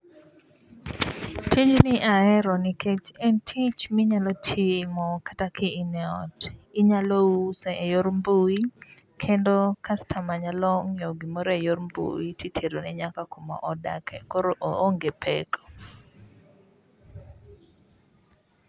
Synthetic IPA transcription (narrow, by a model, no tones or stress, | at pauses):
tid͡ʒnɪʔaɛɾɔniket͡ʃɛntʰit͡ʃmɪɲalɔtʰimɔkḁtakʰɪːnɛɔ̰tɪɲalousɛʔejoɾmbuwikʰendokastʰamaɲalɔŋoɡimoɾɛjoɾmbṵwititʰeɾonɛɲakakomɔ̰ʔɔda̰kʰɛkoɾoʔooŋɡepʰɛ̰kɔ̥